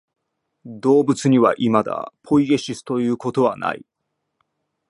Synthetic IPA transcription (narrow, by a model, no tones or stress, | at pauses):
d̪o̞ːbɯ̟t͡sɨɲ̟iβa̰ʔimad̪a̰pʰo̞iɡe̞ɕisɨ̥t̪o̞jɯ̟ːko̞t̪o̞βana̰ḭ